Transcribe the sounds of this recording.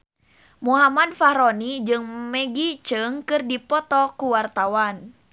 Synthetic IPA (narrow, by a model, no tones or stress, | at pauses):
muɦamad̚fahɾɔnid͡ʒɨŋmɛɡit͡ʃɨŋkɨrdipɔt̪ɔkuwart̪awan